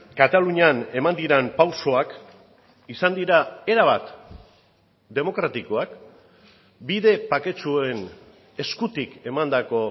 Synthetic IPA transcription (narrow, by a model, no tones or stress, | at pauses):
kat̪aluɲane̞mand̪iɾempawso̞ak | isand̪iɾae̞ɾaβat̪ | d̪e̞mo̞kɾat̪iko̞ak | biðe̞pake̞t͡ʃue̞n | e̞skut̪ike̞mand̪ako̞